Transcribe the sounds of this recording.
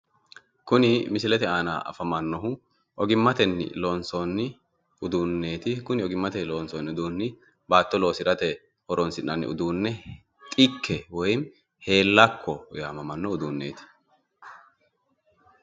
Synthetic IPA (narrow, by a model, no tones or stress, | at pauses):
kʊnɪmɪsɪlɛt̪ɛaːna̰ʔɐ̰fɐmɐnːɔɦʊ | ʔɔɡɪmːɐt̪ɛnːɪ̰loːnsonːɪ | ʊd̪uːnːe̞ːt̪ɪkʊnɪɔɡɪmːɐt̪ɛloːnsɔnːɪʊd̪uːnːɪ | baːt̪ːɔlo̞ːsɪɾɐt̪ɛ | hɔɾɔnsɪnːɐnːɪ̰ʊ̰d̪uːnːɛ | t̪ʼɪkːɛwɔjm | he̞ːlːɐkʰːɔjaːmɐmɐnːɔʊd̪uːnːe̞ːt̪ɪ̥